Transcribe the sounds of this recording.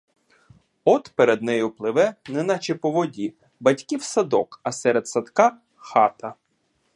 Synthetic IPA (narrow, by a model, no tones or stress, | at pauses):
ɔt̪peɾed̪nɛjʊplˠɪʋɛnɛnɐt͡ʃepɔʋɔdʲi | bɐtʲkʲiwsɐd̪ɔkɐsɛɾet̪sɐd̪kɑ | xɑt̪ɐ